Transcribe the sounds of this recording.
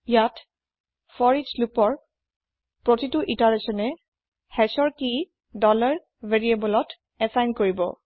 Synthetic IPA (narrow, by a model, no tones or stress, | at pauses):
ijat | fɔɹid͡ʒlupɔɹ | pɹotituʔitaɹesɔnɛ | hɛsɔɹki | dɔlaɹ | veɹiebɔlɔt | ɛsajnkoɹibɔ̰